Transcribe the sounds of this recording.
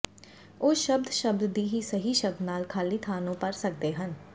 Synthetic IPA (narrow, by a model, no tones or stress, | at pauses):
oːʃəbd̪ʃəb̚d̪d̪iːɦiːsəɦiːʃəb̚d̪naːlkʰaːliːt̪ʰaːnõːpəɾsək̚d̪eːɦən